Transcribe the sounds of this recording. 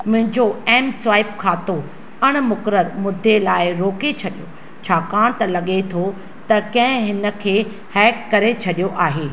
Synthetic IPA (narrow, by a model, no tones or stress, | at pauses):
mʊ̃ɦɪ̃ɲd͡ʑoɛːmsʋaːɪp̚kʰaːt̪o | ɐɽ̃mʊkɾəɾmʊd̪ʱelaːɪɾoːket͡ɕʰɐɗijo | t͡ɕʰaːkaːɽ̃t̪ɐlɐɠet̪ʰo | t̪ɐkɐ̃ɦɪ̃ɦɪnə̆kʰeː | hɛːkːɐɾet͡ɕʰɐɗijoʔaːɦeː